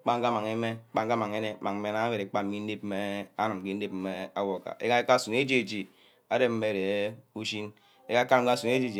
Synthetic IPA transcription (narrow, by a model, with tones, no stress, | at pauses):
k͡pa˦ŋ̩˦ka˦ma˨ŋe˦me˦k͡pa˨ŋ̩ka˦ma˨ŋe˦ne˦ma˨ŋ˦e˦na˦be˨ɾe˨˦k͡pa˦m̩˦mi˦n̩˦de˦p̚m̩˦me˦a˦nɨ˨m˨ke˦n̩˦e˦pm̩˦me˦a˦wo˨ka̰˨e˦ka˦ka˦su˨ne˦d͡ʒe˦˨d͡ʒi˨ | a˦de˦m̩˦me˦˨de˨˦u˦ʃi˦n | e˦ka˦ka˦ka˦su˨ne˦d͡ʒe˦˨d͡ʒi˨